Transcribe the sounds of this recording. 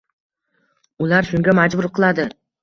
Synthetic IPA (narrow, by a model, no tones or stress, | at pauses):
ʊlaɾʃʊŋɡʲamad͡ʒbʊɾqʰɨlˠad̪ɪ